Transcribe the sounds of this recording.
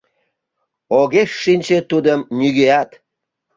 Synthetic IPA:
oɣeʃːinʲt͡ɕet̪ud̪əmnʲyɣeɑt̪

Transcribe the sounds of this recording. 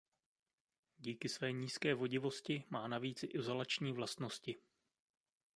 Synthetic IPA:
ɟiːkɪsvɛːɲiːskɛːvo̞ɟɪvo̞scɪmaːnaviːt͡sɪʔɪzo̞lat͡ʃɲiːvlast̪no̞scɪ

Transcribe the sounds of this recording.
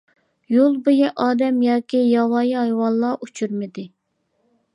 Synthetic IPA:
jolˠbojiʔɑːd̪ɛmjɑːkʲijɑwɑːjɦɑjwɑnlˠɑʔut͡ʃʰyɾmɪd̪ɪ

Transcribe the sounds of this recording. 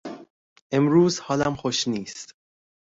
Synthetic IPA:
ʔe̞mɾuːzhɒːlæmxoʃniːst̪

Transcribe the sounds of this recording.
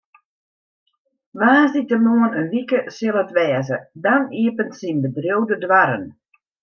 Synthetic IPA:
ʋaːzditənoənənʋikəsɪlˠətʋɛːzədaniəpəntsinbədrjowdədʋaɾə̰n

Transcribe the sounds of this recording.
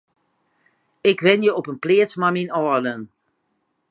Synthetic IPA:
ɪkʋɪnjəopənplɪətsmaminɔələn

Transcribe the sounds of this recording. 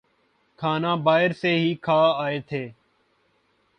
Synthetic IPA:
kʰaːnãːbaːɦɪɾseːɦiːkʰaːaːeːt̪ʰeː

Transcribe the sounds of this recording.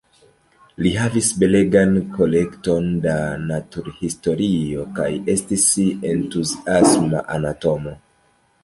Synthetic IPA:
liɦavisbe̞le̞ɡanko̞le̞kto̞ndanatuɾhisto̞ɾio̞ka̰je̞stisentuziasma̰ʔanato̞mo̞

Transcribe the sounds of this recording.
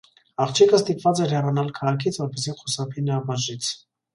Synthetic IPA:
ɑχt͡ʃʰɛkʰəst̪ipvɑt͡sɛɾɛrɑnɑlkʰɑʁɑkʰit͡sʰvɔɾpɛsiχusɑpʰinəɑbɑʒit͡sʰ

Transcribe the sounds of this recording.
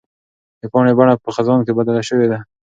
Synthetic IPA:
d̪əpɑnebaɳapəxazɑnkebad̪alaʃəwed̪a

